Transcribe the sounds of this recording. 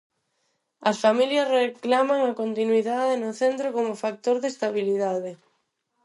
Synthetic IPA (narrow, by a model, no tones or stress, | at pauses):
ɐsfamiljɐsreklamaŋakont̪inwiðaðenʊθent̪ɾokomʊfak̚t̪oɾðest̪aβ̞iliðaðɪ